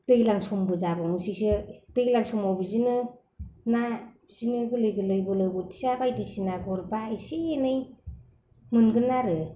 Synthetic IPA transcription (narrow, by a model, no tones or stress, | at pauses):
tɯjlaŋsɔmbɯzabɔŋɯsisɯtɯjlaŋsɔmɔwbizinɯ | na | z̥inɯɡɯlɯjɡɯlɯjbɯlɯbɔti̥sabajdisinaɡɔɾbaiseːnɯj | mɯnɡɯnaɾɯ